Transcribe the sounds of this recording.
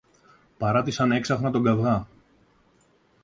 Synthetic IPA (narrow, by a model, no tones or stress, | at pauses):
pɐɾɐt̪isɐne̞ksɐxnɐt̪o̞ɡɐvɣɐ